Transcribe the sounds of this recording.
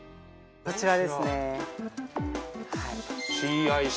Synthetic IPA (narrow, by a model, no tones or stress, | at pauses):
kot͡ɕiɾad̪esɨne | atiai